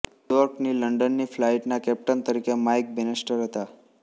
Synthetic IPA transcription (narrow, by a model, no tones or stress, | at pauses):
jjujɔɾkniləɳɖənːiflaiʈnakɛp̚ʈənt̪əɾikemajk̚bɛnesʈəɾɦət̪a